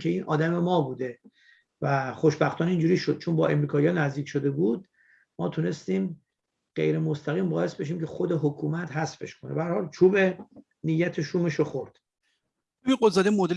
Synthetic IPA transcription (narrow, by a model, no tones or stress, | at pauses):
kʲʰe̞iːnʔɒ̰ːd̪æme̞mɒːbuːd̪e̞ | væχoʃbæxt̪ʰɒːniːnd͡ʒuːɾiːʃo̞d̪̚t͡ʃʰonbɒːʔe̞mɾiːkʰɒːjɒnæzd̪iːcʰʲʃo̞d̪e̞buːd̪̚ | mɒːt̪ʰune̞st̪iːm | ɢ̥ḛjɾe̞most̪ʰæɣiːmbɒːje̞st̪be̞ʃ̬iːmcʰe̞xod̪e̞ɦokʰuːmæt̪ɦæsfe̞̰ʃkʰo̞nebæhæɾhɒːlt͡ʃʰuːbe | nijːæt̪ʰeʃuːmeʃoxoɾd̪̥ | iɡolzɒːd̪emod̪e